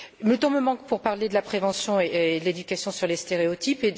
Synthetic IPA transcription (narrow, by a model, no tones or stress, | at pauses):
mət̪ɔ̃məmɑ̃kpuʁpaʁled̪əlapχevɑ̃sjɔ̃ed̪əled̪ykʲasjɔ̃syʁlest̪eʁeot̪ipe